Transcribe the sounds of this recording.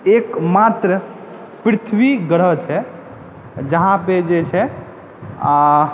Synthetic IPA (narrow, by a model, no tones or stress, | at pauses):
ekmat̪ɾə | pɾit̪ʰʋiɡəɽ̤ət͡ʃʰɛ | d͡ʒəɦãped͡ʒet͡ʃʰɛ | a